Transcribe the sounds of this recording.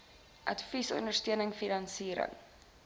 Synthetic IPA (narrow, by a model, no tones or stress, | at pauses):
ʔɐ̰tfisɔ̰ndərstøənəŋfinɑnsiːɾə̰ŋ